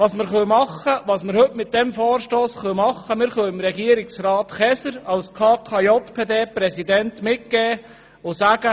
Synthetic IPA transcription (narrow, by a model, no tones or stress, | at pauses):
ʋɑːsməɾχœwmɑχːəʋɑːsməɾhɵtmɪt̪̚d̥ɛmfɔːɾʃtoːsχœwmɑχːəmɪːɾχœwɪmɾɛɡiəɾɪksɾɑːt̪χɛsəɾɑlskʰɑːkʰɑjɔt̪pʰeːd̪eːpɾɛsid̪ɛntmɪt̚ɡ̥ɛː | ʊsæːɡ̥ə